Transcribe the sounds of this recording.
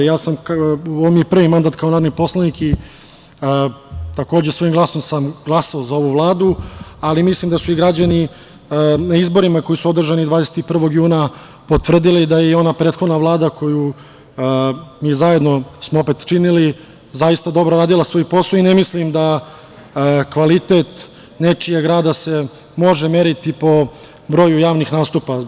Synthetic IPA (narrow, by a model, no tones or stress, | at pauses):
jaːsamuoʋmjepr̩ʋimand̪aːt̪kaonaɾnipo̞slˠaniki | t̪ako̞ːd͡ʑesʋo̞imɡlˠaso̞msamɡlˠasaozao̞ʋuvlˠaːd̪ualimislimd̪asuiɡɾad͡ʑani | naizbo̞ɾimako̞jisuo̞d̪r̩ʒanid̪vaːd̪eset̪ipr̩ʋo̞ɡjuːna | po̞t̪ʋr̩d̪ilid̪ajeio̞napɾeːt̪xo̞d̪naʋlˠaːd̪ako̞ju | miːzaje̞d̪no̞smoope̞t̪t͡ʃinili | zajist̪ad̪o̞bɾoɾaːd̪ilˠasʋojupo̞soinemislimd̪a | kʋalit̪et̪ | ne̞t͡ʂijeɡɾaːd̪ase̞ | mo̞ʒeme̞ɾit̪ipo̞ | bɾo̞jujaːʋnixnaːst̪upa